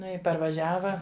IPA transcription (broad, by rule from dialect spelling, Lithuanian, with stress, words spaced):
ˈnʊ ɪ pɐrʋɐˈʒʲæːʋɐ